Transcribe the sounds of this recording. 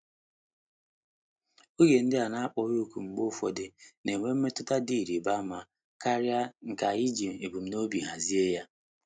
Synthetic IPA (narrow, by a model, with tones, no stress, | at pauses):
o˦je˨n̩˦dɪ˦a˨na˦a˦k͡pɔ˨ɣu˦ku˨ŋ͡m̩˨ɡ͡bo˦fɔ˨dɪ˨ne˨ŋʷe˦m̩˦me˦tʊ˦ta˦di˦˨ɾi˨ba˦ma˨ | ka˦ɾja˦ŋ̩˨ka˨i˦d͡ʒi˨e˨bu˨m̩˨no˦bi˨ɦa˨zi˦e˦ja˦